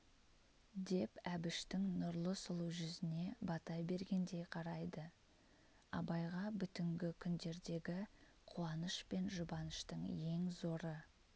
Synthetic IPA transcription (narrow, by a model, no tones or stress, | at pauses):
d̪e̞pæbɪʃt̪ɪŋnʊɾlˠəsʊlˠuʒʏzɪne̞bɑt̪ɑjbe̞ɾɡʲe̞nd̪e̞jqʰɑɾɑjd̪ə | ɑ̰bɑjʁɑbʏt̪ɪŋɡʲɪkʲʰʏnd̪e̞ɾd̪e̞ɡʲɪ | qʰuɑnəʃpe̞nʒʊbɑnəʃt̪əɴje̞ŋzo̞ɾə